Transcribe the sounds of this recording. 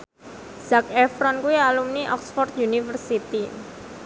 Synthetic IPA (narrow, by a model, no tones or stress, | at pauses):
z̥akɛfɾɔnkuialumniʔɔ̰ksfɔrt̪̚junifərsit̪i